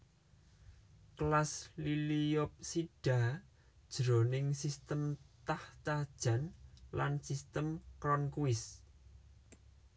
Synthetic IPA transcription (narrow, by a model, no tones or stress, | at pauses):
klasliliɔp̚siɖ̥a̤ | d̥ʒ̥ɾonɪŋsist̪əmt̪aht͡ʃad̥ʒ̥a̤nlansist̪əmkɾɔnkuɪs